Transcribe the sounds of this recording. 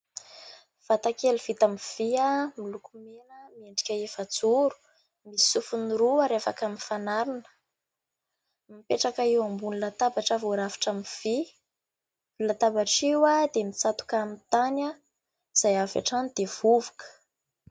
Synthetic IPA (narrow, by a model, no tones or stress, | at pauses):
v̥at̪akelivit̪amv̥iamilukumenəmieɳɖ͡ʐi̥kʲəefat͡suɾu̥ | mii̥sufuniɾuaɾefakaminfanaɾinə̥ | mipeʈ͡ʂakaiwambunilat̪abaʈ͡ʂavoɾavi̥ʈ͡ʂamiv̥i | lat̪abaʈ͡ʂiwad̪emit͡sat̪u̥kamit̪ana | iz̥ajava̰ʈ͡ʂanid̪̥ev̥uvukə̥